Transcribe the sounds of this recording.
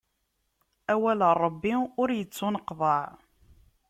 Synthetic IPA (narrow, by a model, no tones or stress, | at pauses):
æwælərˤːəbːiʊɾjət͡sːʊnəqðˤɑʕ